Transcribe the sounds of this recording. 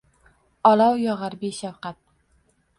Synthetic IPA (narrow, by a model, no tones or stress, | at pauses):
ɒlawjɒʁaɾbiʃafqat̪̚